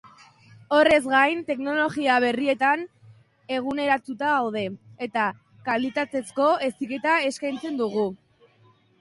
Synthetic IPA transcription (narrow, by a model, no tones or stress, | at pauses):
o̞re̞zɣajnt̪e̞kno̞lo̞ɣiaβ̞e̞rie̞t̪an | e̞ɣ̞une̞ɾat̪ut̪aawð̞e̞et̪a | kalit̪at̪e̞sko̞e̞sike̞t̪ae̞skajnt͡se̞nd̪uɣu